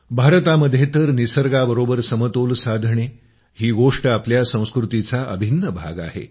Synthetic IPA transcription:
bʱaɾt̪aməd̪ʱjet̪əɾnisəɾɡabəɾobəɾsəmət̪olsad̪ʱɳe | hiːɡoʂʈəapljasə̃w̃skɾut̪it͡saʔəbʱinːəbʱaɡa̰ɦḛ

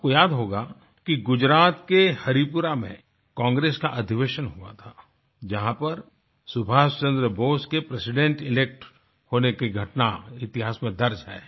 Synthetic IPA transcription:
kojaːd̪ɦoːɡa | kiɡʊd͡ʒɾaːt̪kehɐɾipʊɾamḛ̃ | kãːŋɡɾeːskaʔɐd̪ʱɪʋeːʃənɦua̰t̪ʰaː | d͡ʒɐɦãpɐɾ | sʊbʱaːst͡ʃə̃nd̪ɾəboːskepɾesɪɖɛ̃ɳʈɪleːk̚ʈ | hoːnekiɡʱɐʈnaɪt̪ɪɦaːsmẽd̪ɐɾd͡ʒɦɛ̰ː

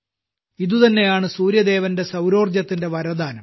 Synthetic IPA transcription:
iðut̪ɐnːe̞jaːɳɨsuːɾjɐd̪e̞ːʋɐnde̞sɐwɾo̞ːrd͡ʑjɐt̪ːinde̞ʋɐɾɐd̪aːnɐm

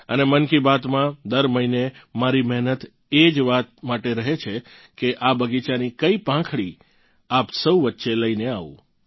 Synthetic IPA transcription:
ənemənkibat̪mãd̪əɾməinemaɾimɛɦnət̪ | ed͡ʒʋat̪̚maʈeɾəɦet͡ʃʰe | keʔabəɡit͡ʃanikəipãkʰɭi | apsəwʋətːʃeləineaʋṵ̃

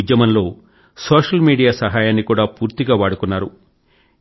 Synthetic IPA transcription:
d̪jɐmɐnlo̞ː | soːʂɐlmiːɽijaːsɐɦaːjaːnːikuːɽaːpuːɾt̪iɡaːʋaːɽukunːaːɾṵ

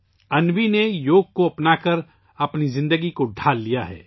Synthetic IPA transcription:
ɐnwinejoːɡ̚koɐpnaːkɐɾ | ɐpnizɪ̃nd̪əɡikoɖʱaːlːijaɦɛ̰ː

